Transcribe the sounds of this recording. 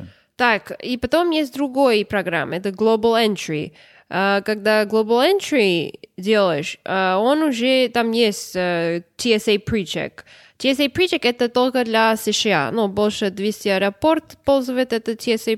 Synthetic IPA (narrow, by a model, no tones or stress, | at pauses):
t̪akipɐt̪omjesʲt̚ʲd̪ɾʊɡo̞jpɾɐɡɾa̰mːɛt̪əɡlˠobəlˠɛnt̪ɾḭ | akaɡ̚d̪aɡlˠobəlˠɛntɾidʲelˠəjɪʂəonʊʐɛt̪amjesʲtʲət̪ʲʰːiɛsejpɾit͡ʃɛ̰k | tʲiɛsejpɾit͡ʃɛkɛt̪ət̪olʲkəd̪lʲɐsəʂɨa̰nubolʲʂəd̪vʲesʲtʲiɐɾɐport̪polʲzɨvəjɪt̪ɛt̪ət̪ʲʰiɛse